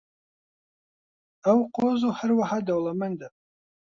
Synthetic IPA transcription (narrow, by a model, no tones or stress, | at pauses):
ɐwqʷozuħərwaħadɐwlˠɐmɐnd̪ɐ